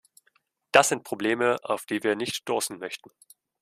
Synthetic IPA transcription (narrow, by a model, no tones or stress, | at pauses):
d̥asz̥ɪnt̚pʁ̥obleːməʔa̰ʊfd̥iːviːɐnɪçtd̥oːsn̩mœçtn̩